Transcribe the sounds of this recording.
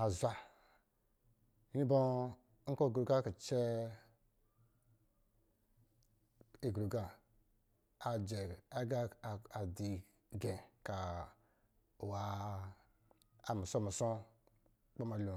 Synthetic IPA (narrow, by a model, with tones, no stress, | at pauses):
a˨zʷa˨ | i˦i˦bo˦ | ŋ̩˦ko˦˨ɡɾu˨ɡa˦ki˨t͡ʃe˦ | e˨ɡɾu˨ɡa˨ | a˨d͡ʒe˨a˦ɡa˦˨a˨di˨ | ɡẽ˨ka˨ | wa˨ | a˨mu˨so˦˨mu˨so˦ | k͡po˦ma˨lu˨